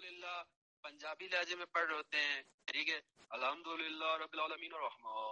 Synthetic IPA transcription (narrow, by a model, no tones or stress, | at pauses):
lɪlːa | pɐ̃ɲd͡ʒaːbilaːd͡ʒemẽpɐɽɾɦoːt̪eɦɛ̃ːkɐɾiːkɛɐlhɐmd̪ʊlɪlːaɾɐbːɪlaːlɐmiːnɐɾːɐhmaː